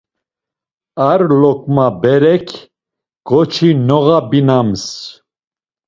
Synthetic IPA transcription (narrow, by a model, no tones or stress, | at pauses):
aɾlɔkʼmabɛɾɛkʰ | ɡ̥ɔt͡ʃʰinɔɣabinams